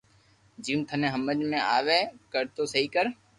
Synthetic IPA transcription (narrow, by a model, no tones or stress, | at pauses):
d͡ʒiːũːt̪ʰənẽːɦəməd͡ʒmẽːaːʋeːkəɾt̪oːsəɦiːkəɾ